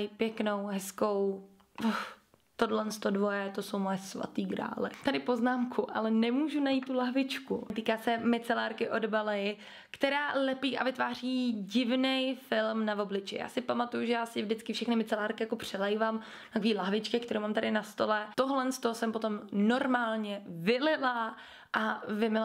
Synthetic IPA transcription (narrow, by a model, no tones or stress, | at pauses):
jpjɛkno̞wɦɛsko̞w | x | t̪odlɛnst̪o̞dvo̞jɛt̪o̞so̞wmojɛsva̰t̪iːɡɾa̰ːlɪ̰t̪adɪpoznaːmkʰuʔa̰lɛnɛmuːʒunajiːt̪tːulaɦvɪt͡ʃkut̪̬iːkaːsɛmɪt͡sɛlaːɾkɪʔo̞dbalɛjɪ | kt̪ɛɾaːlɛpiːʔavɪt̪vaːriːɟɪvnɛjfɪlmnavo̞blɪt͡ʃɪ̰ja̰ːsɪpamat̪ujuʒɛjaːsɪɪvdɪt͡skɪfʃɛxnɪmɪt͡sɛlaːɾkɪjako̞pr̝̥ɛlɛjvam | t̪akoviːlaɦvɪt͡ʃkɛk̚t̪ɛɾʔowmaːmt̪adɪnast̪o̞lɛt̪oɦlɛnst̪osɛmpo̞t̪o̞mno̞ɾmaːlɲɛvɪlɪla | ʔavɪmɪla